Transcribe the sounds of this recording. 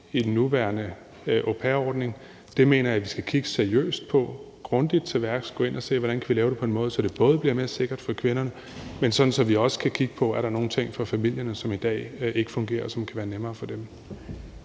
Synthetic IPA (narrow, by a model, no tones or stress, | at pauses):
id̥en̩ːuʋæɐnə | ʔopʰeɐɒ̰ːd̥ne̝ŋ | d̥e̝me̝ːnɐjæʋisɡ̥ækʰiɡ̥ə̥seɐiø̰ːsd̥̚pʰɒ̽ | ɡ̥ʁɔ̽nd̥id̥̚t͡sʰeʋæɐɡ̥sɡ̥ɔ̽e̝n̰ʔɐse̝̰ːʋɒɾ̥ænkʰæʋilɛːʊɾ̥e̝pʰɒ̽enmɔ̽ːðˠsɒ̽d̥e̝b̥ɔ̽ːð̞ˠbliɐme̝ɐse̝ɡ̥ɐd̥fɒ̽kʰʋe̝nɐnə | mensɒ̽d̥n̩sɒ̽mʋiɒ̽sə̥kʰækʰiɡ̥əpʰɒ̽æɐɾɑno̝ːn̩t͡sʰeŋ̰fɒ̽fæmil̰jɐnəsɒ̽mid̥ɛ̰ːe̝ɡ̥ə̥fɔ̽ŋɡ̥e̝̰ːɐsɒ̽mkʰæʋæːɐnemɐːfɒ̽d̥em